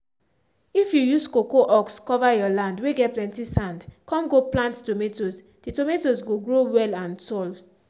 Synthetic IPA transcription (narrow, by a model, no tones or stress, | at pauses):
ifjujuskokoʔɔkskɔvajɔlãndweɡɛtplɛ̃ntisãndkɔ̃mɡoplãnttometos | d̥itometosɡoɡɹowɛlãntɔl